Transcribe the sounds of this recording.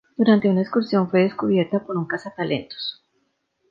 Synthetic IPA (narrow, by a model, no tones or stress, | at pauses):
d̪̥uɾant̪e̞unaeskuɾsjo̞ɱfwe̞ðe̞skuβje̞ɾt̪apo̞ɾuŋkasat̪alʔe̞nt̪o̥s